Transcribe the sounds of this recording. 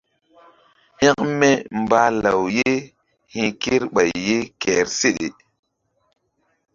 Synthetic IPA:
he˦kme˦mba˦la˨wje˦ | hĩ˦ke˦ɾɓa˨jːe˦kɛ˨ɾse˦ɗḛ˨

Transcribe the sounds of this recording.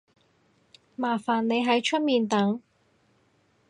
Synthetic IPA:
maː˨˩faː˨nne˨˧jɦɐ˨˥jt͡ʃʰɵ˥t̚miː˨˧nt̪ɐ˨˥ŋ

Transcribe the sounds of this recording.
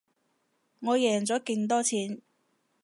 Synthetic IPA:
ŋɔː˨˧jɛː˨˩ŋt͡sɔː˨˥ke˧ŋt̪̬ɔː˥t͡sʰiː˨˥n

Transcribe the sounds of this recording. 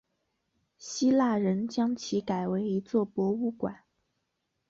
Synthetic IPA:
ɕi˥la˥˩ɻə˧˥nt͡ɕjɑ˥ŋt͡ɕʰi˧˥ka˨˩ɪwe˧˥ɪi˧˥t͡swɔ˥˩pwɔ˧˥u˥˩kwa̰˨˩˦n

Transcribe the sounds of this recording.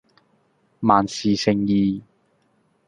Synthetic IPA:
maː˨nsiː˨sɪ˨˩ŋjiː˨˧

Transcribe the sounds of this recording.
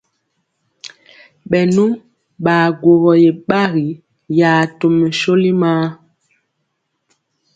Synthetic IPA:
ɓɛ˨nu˦ | ɓa˨ɡwo˨ɣɔ˨je˨ɓa˦ɣi˨ | ja˨to˨mə˨ʃo˦li˦maː˦

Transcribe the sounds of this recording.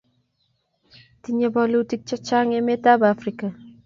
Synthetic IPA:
tiɲe˦bɔ˦lu˦ti˦k̚t͡ʃɔ˦t͡ʃa˦ŋe˦me˦ta˦ba˦fɾi˦ka˨

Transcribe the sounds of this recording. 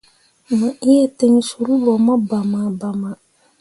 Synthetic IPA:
ma˨ʔi˦jɛ˦te˦ŋ˦su˨ɾu˦bɔ˨ma˦ba˨ma˨ba˨ma˨

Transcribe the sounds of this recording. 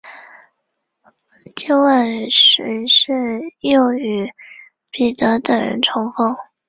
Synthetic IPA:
t͡ɕe˥˧˥wa˥˩nʂə˧˥ʂɻ̩˥˧jo˥˩ʊy˧˥ | pi˨˩t̪ɤ˧˥t̪ə˨˩ɻə̰˧˥nʈ͡ʂʰʊ˧˥ŋfɑ˥ŋ

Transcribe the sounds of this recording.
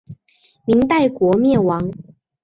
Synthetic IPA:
mi˨˥ŋt̪a˥˩ɪkwɔ˧˥mjɛ˥˨nwɑ˧˦ŋ

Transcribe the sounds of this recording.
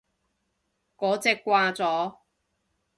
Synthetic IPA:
kɔː˨˥t͡sɛː˧kːʷwaː˧t͡sɔː˨˥

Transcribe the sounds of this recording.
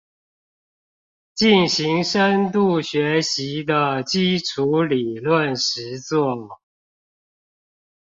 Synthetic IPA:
t͡ɕi˥˩nɕi˧˥ŋʂə˥˦nt̪u˥˩ɕɥɛ˧˥ɕi˧˥d̪ə˧t͡ɕi˥ʈ͡ʂʰu˧˥li˨˩lwə˥˨nʂɻ̩˧˥t͡swɔ˥˩

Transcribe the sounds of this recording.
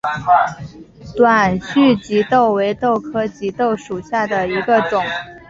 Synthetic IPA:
t̪wa˨˩nɕy˥˩t͡ɕi˧˥t̪o˥˩ʊwe˧˥ɪt̪o˥˩ʊkʰɤ˥t͡ɕi˧˥t̪o˥˩ʊʂu˨˩ɕja˥˩d̪ə˩i˧˥ɡə˧ʈ͡ʂʊ˨˩˦ŋ

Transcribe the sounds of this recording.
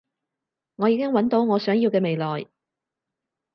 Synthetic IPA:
ŋɔː˨˧jiː˨˧kɪ˥ŋwɐ˨˥nt̪o˨˥wŋɔː˨˧sœː˨˥ŋjiː˧wkɛː˧me˨jlɔː˨j

